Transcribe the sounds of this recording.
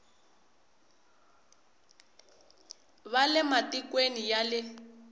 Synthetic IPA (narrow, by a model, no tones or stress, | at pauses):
βalɛmatikwenijalɪ